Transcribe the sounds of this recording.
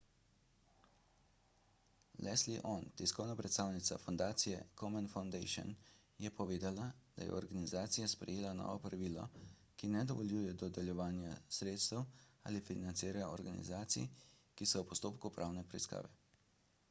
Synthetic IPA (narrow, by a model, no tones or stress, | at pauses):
lʔɛsliʔɔnt̪ɛskɔwnapɾɛt̪st̪aːwnit̪sa̰fɔnd̪aːt̪sijɛkʰɔmɛnfawnd̪ejʃɔ̰n | jɛpɔʋeːd̪alad̪̥a̰jɛ̰ɔɾɡanizaːt̪sijaspɾɛ̰jeːlanɔ̰ːʋɔpɾaʋiːlɔ̰ | kinɛd̪ɔʋɔljuːjɛd̪ɔd̪ɛljɛʋaːnjasɾeːt̪st̪əwa̰ːlifinant̪siːɾajɔɾɡanḭzaːt̪sḭjkisɔwpɔst̪oːpkupɾʔawnɛpɾɛiska̰ːʋɛ